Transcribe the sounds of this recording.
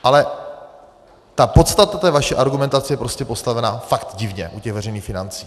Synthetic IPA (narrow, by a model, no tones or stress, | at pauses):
ʔalɛ | t̪apo̞t̪st̪at̪at̪ɛːvaʃɛʔaɾɡumɛnt̪at͡sɛjɛpɾo̞scɛpo̞st̪avɛnafakt̪ɟɪvɲɛ̰ʔucɛɣvɛrɛjniːxfɪnant͡siː